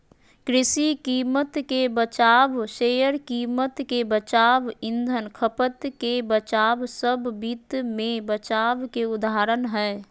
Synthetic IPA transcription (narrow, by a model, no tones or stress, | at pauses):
kɾɪsikiːmət̪kebət͡ʃaːʋʃejəɾkiːmət̪kebət͡ʃaːʋɪ̃nd̪ʱənkʰəpət̪kebət͡ʃaːʋsəbbit̪mẽbət͡ʃaːʋkeʊd̪aɾənɦɛː